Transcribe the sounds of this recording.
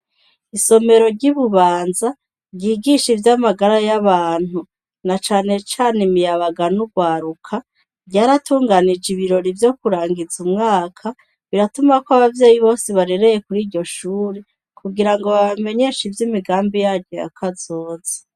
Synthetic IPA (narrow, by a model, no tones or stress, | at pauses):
iso̞me̞ɾo̞ɾɟiβuβaːnza | ɾɟiːɡiʃivjamaɡaɾajaβaːn̥hu | nat͡ʃaːne̞t͡ʃaːnimijaβaɡanuɡwaːɾukʰa | ɟaːɾatuːŋɡanid͡ʒiβiɾo̞ɾivjo̞kuɾaːŋɡizumŋaːkʰa | βiɾatumakwoaβavjeːjiβo̞ːsiβaɾe̞ɾe̞je̞kuɾiːɾɟo̞ʃuːɾe | kʰuɡiɾaŋɡo̞βame̞ɲe̞ʃivjimiɡaːmbijaːɾɟo̞ja̰kʰazoːze̥